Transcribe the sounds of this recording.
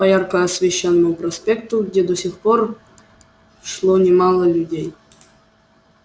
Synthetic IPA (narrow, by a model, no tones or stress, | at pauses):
pɐjarkəɐsvʲeɕːonːəmʊprɐspʲekt̪uɡdʲed̪osʲixpor | ʂlˠonʲɪmɑlˠəlʲudʲej